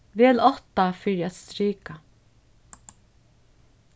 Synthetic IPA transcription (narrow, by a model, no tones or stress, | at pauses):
ʋɛːlɔht̪afɪɹat̪st̪ɾiːka